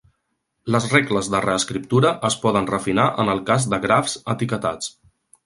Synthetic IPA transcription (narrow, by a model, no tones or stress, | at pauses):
ləzrɛkləzðərəəskɾip̚t̪uɾəʔəspɔðənrəfinaʔənəlˠkazd̪əɣɾafzət̪ikət̪at͡s